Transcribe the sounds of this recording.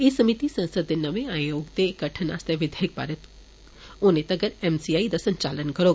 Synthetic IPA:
esɐmit̪isɐ̃nsəd̪ːenɐʋeaːjoːɡt̪eɡɐʈʰəna̰ːst̪eʋɪd̪ʱeːɪk̚pa̰ːɾət̪ | oːnẽt̪ɐɡəɾɛːmsijaːid̪asɐ̃ɲt͡ʃaːlənkɐɾoː

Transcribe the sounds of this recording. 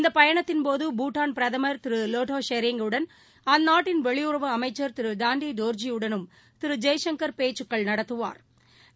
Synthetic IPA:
ɪnd̪ɐpɐjɐɳɐt̪ːɪnpoːðɯbuːʈːaːnpɪɾɐðɐmɐɾt̪ɪɾɯloːʈoːʂeɾɪŋɡɯɽɐn | ɐnaːʈːɪnʋɛɭɪjʊɾɐʋɯɐmɐɪt͡ʃːɐɾt̪ɪɾɯd̪aːɳɖid̪oːɾd͡ʒijɯɽɐnɯm | t̪ɪɾɯd͡ʒɐjʂɐŋkɐɾpeːt͡ʃːɯkːɐɭnɐɽɐt̪ːɯʋa̰ːɾ

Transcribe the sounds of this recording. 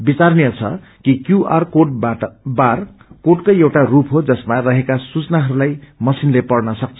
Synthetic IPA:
bit͡sarniʌt͡sʰʌ̰ | kikjuʔarkobar | koʈkojewʈarupɦod͡zʌsmarʌɦekasut͡snaɦʌɾulajmʌsinlepʌrnʌsʌk̚t͡sʰʌ

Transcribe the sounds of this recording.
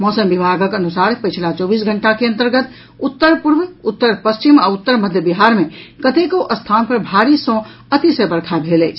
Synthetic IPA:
mɔːsəmbibʱaɡəkənusaɾpəjt͡ʃʰlat͡ʃɔːbiːs̬ɡʱəɳʈakeə̃nt̪əɾɡət̪ | ut̪ːəɾpuɾʋut̪ːəɾpəst͡ʃimaut̪ːəɾməd̪ʱjəbiɦaɾmekət̪ekoʔəst̪ʰanpəɾbʱaɾisɔ̃ | ət̪isebəɾkʰabʱelɛɪt͡ʃʰ

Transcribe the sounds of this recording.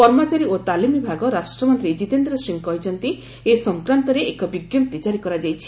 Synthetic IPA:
kɔɾmɔt͡ʃaɾiot̪alimibʱaɡɔɾasʈɾɔmɔnt̪ɾid͡ʒit̪end̪ɾɔsiŋkɔjt͡ʃʰɔnt̪i | esɔŋkɾant̪ɔɾeʔekɔbiɡjɔmt̪it͡ʃaɾikɔɾad͡ʒajt͡ʃʰi̥

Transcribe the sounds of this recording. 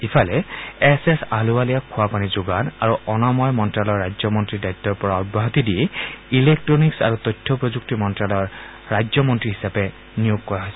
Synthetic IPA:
ipʰalɛɛsesaluwalijakʰʊwapanizʊɡanaɹuɔnɔmɔjmɔntɹalɔɹːajzɔmɔntɹidajtːɔɹpɔɹaɔbɔɦat̪idiɛilek̚tɹɔniksa̰ɹut̪ɔjtʰːɔpɹɔzuk̚timɔntɹalɔɹː | ajzɔmɔntɹiɦisapɛ | nijoɡkːɔɹaɦɔjsɛ

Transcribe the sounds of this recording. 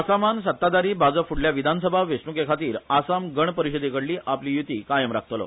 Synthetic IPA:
asamansət̪ːad̪aɾiːbʱad͡zəfʰuɽljaʋid̪ʱansəbʱaʋesnukekʰat̪iːɾasamɡəɳ̃pəɾiɕəd̪ekəɽliːʔapliːjut̪iːkajəmɾak̚ʰt̪lɔ̰

